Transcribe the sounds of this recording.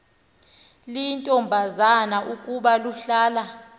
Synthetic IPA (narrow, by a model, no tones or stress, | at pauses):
lintʼɔmbʱazanaʔukʼuɓaluɬaːla